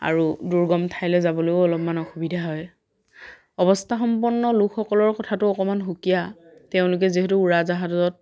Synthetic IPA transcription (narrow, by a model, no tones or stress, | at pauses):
a̰ɹuduɹɡɔmtʰajlɛzabɔlojʊɔlɔpmanɔxubidʱaɦɔj | ɔbɔstʰaxɔmp̬ɔɹnːɔlukʰxɔkɔlɔɹkɔtʰatʊɔkɔmanɦukija | tɛʊ̃lʊk̬ɛziɦɛtuːɹazaɦatɔt̚